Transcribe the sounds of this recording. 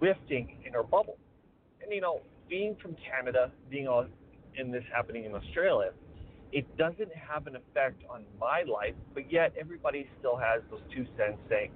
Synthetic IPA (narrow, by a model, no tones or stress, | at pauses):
wɪftɪ̃ŋɨ̃nə˞bʌbl̩ˠ | ɨ̃njɨnoʊb̥iɪ̃ŋfɹʌ̃mkʰænɨɾəbiɪ̃ŋɔɨ̃nðɪshæpɨnɪ̃ŋɨ̃nəstɹ̥eɪlˠjɨɨt̚d̥ʌzɨ̃nt̚ɦəvɨ̃nɨfɛk̚tn̩maɪla̰ɪfb̥ʌt̚jɛɾɛvɹibɑɾistɪlˠɨzðoʊz̥tʰʉsɛ̃n̥seɪɪ̃ŋ